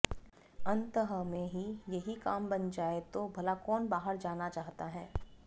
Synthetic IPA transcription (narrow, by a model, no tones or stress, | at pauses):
ɐ̃nt̪əɦəmẽɦijɐɦikaːmbɐnd͡ʒaːet̪obʱɐlakɔːnbaːɦəɾd͡ʒaːnat͡ʃaːɦt̪aɦɛː